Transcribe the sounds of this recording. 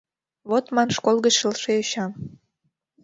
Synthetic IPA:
βot̪mɑnʃkolˠɣət͡ɕʃəlʃeoɕɑm

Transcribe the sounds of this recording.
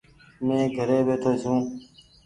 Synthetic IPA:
mẽːɡʱəɾeːbeːt̪ʰoːsũː

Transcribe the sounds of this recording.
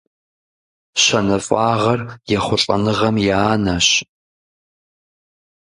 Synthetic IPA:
ɕɐnɐfʼaːʁɐrjɛχʷʊɬʼɐ̰nɨʁɐmjaːnaɕ

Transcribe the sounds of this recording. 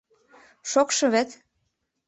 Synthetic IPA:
ʃokʃɤ̆βet̪

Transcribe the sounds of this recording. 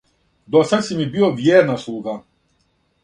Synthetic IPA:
d̪ɔsat̪simibiovjɛɾnaslˠuɡa

